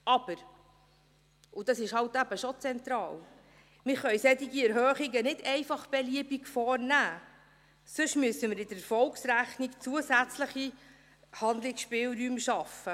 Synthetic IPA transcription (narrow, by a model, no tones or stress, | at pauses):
ɑb̥əɾ | ʊd̥ɑsɪʃhɑwtæb̥əʃɔt͡sɛnt̪ɾɑːl | mɪɾχœʏsɛdiɡiɛɾɦœːχiɡənɪdɛɪfɑχb̥ɛliəbiɡfɔːrnæː | sʊʃmyəsəmɪɾɪdəfɔlksɾæχnikt͡suəsæt͡sləχi | hɑnd̪lɪksʃpɪːlɾyːmʃɑfə